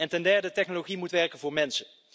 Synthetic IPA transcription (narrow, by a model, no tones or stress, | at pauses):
ɛntɛndɛɹdətɛχnoloχimutʋɛɹkənvʊːɹmɛnsən